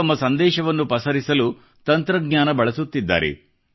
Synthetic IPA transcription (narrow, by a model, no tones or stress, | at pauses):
ɐmːɐsɐnd̪ɛːʃɐʋɐnːupɐsɐɾisɐlu | t̪ɐnt̪ɾɐɡɲaːnɐbɐɭɐsut̪ːid̪ːa̰ːɾḛ